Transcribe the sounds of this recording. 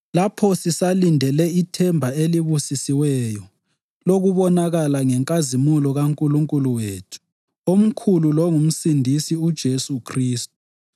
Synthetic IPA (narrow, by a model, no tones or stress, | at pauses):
lapʰɔsisalindʱɛlɛitʰɛmbʱaeliβusisiwɛjɔ | loɣuβɔnaɣalaŋɛŋkʼazimulɔɣaŋkʼuluŋkʼuluweːtʰu̥ | om̩kʰululɔŋum̩sindʱisiud̥ʒ̥ʱesukʰriːst̚u̥